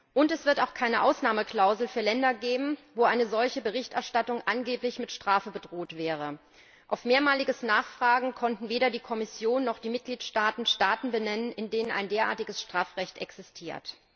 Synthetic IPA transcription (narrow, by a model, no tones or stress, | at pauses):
ʔʊntɛsv̥ɪɐtaʊxkʰaɪnəʔaʊsnaːməkl̥aʊzl̩fyːɐlɛndɐɡeːbm̩voːʔaɪnəzɔlçəbəʁ̞ɪçtʔɛɐʃtatʊŋʔanɡeːplɪçmɪtʃtʁ̥aːfəbədʁoːtv̥ɛːʁ̞ə | ʔaʊfmeːɐmaːlɪɡəsnaːχfʁ̥aːɡŋ̩kʰɔntn̩veːɾɐdiːkʰɔmɪsjoːnːɔχd̥iːmɪt̚ɡ̥liːtʃtaːtn̩ʃtaːtn̩bənɛnənɪndeːnəna̰ɪndeːɐʔa̰ɐtɪɡəsʃtʁ̥aːfʁɛçtʔɛksɪstʰiːɐt